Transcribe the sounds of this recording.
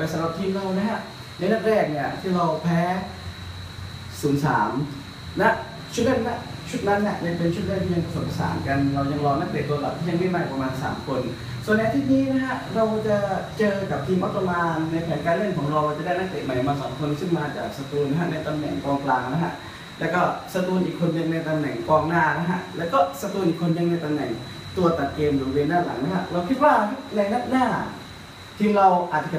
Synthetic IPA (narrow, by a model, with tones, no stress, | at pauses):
sa˨˦mɾa˨˩p̚t̪ʰiː˧mɾa˧wna˦˥ɦa˦˥ʔ | na˧jna˥˩t̚ɾɛː˥˩k̚ni˧˥˩ɐt̪ʰiː˥˩ɾa˧wpʰɛː˦˥ | suː˩˦nsa̰ː˩˦m | lɛ˦˥ʔ | t͡ɕʰt̪̚le˥˩nna˦˥˩ | t͡ɕʰu˦˥t̪̚na˦˥nːi˧˥˩əja˥˩pe˧nt͡ɕʰu˥t̪̚ɾaː˥˩t̪ʰiː˥˩ja˧pa˧so˨˩t̪pːa˧˩sa̰ː˨˩˦nka˧nɾa˧wja˧ŋɾɔː˧na˦˥˩k̚le˨˩t̪̚ːu˧la̰˨˩p̪̚ʰiː˥˩a˧ŋma˥˩jmaː˥˩k̚pɾa˧maː˧nsa̰ː˩˦mkʰo˧n | su˨˩nː˧jʔa˧t̪ʰi˦˥t̪̚niː˦˥na˦˥ka˦˥ʔɾa˧wt͡ɕa˨˩t͡ɕɤː˧ka˨˩p̚t̪ʰiː˧mʔt̪̚ʰːa˧maː˧nːa˧jpʰɛː˩˦nkaː˧nle˥˩˨nkʰɔː˩˦ŋɾa˧wʔa˧˩t͡ɕa˨˩da˥˩jna˦˥˩ŋt̪eː˨˩ma˨˩jmaː˧˩sɔː˩˦mkʰo˧nsɯ˥˩ŋmaː˧t͡ɕa̰ː˨˩k̚sa˧t̪uː˧nːa˧˥˩a˧˥na˧jt̪a˧mnɛ̰˨˩ŋkɔː˧ŋklaː˧ŋna˦˥ɦʰa̰˧˥ʔ | lɛː˦˥wkɔː˥˩sa˧t̪uː˧nʔiː˨˩kʰːo˧nnɯ˧ŋna˧jt̪a˧mnɛ̰˨˩ŋkɔː˧ŋnaː˥˩na˦˥ɦʰa̰˧˥ʔlɛː˦˥wkɔː˥˩sa˧t̪uː˧nʔiː˨˩kʰo˧nːɯ˧ŋna˧jt̪a˧nɛ̰˨˩ŋ | t̪u˧ɐt̪a˨˩t̪̚keː˧mbo˨˩˨weː˧ndaː˥˩la̰˩˦ŋna˦˥hʰa˧˥ʔɾa˧wkʰi˦˥t̪̚waː˥˩a˦˥na˧jna˦˥t̪̚naː˥˩ | t̪ʰiː˧ɾa˧wʔaː˨˩t̪̚t͡ɕa˧˩˨